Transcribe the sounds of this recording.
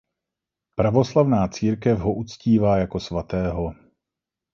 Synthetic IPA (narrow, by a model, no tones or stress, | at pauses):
pɾavo̞slavnaːt͡siːɾkɛfɦoʔut͡sciːvaːjako̞svat̪ɛːɦo̞